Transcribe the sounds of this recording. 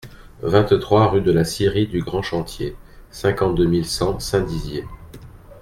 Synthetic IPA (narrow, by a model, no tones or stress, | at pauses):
vɛ̃t̪t̪χwaʁyd̪əlasiʁid̪yɡʁɑ̃ʃɑ̃t̪jesɛ̃kɑ̃t̪̚d̪əmilsɑ̃sɛ̃d̪izje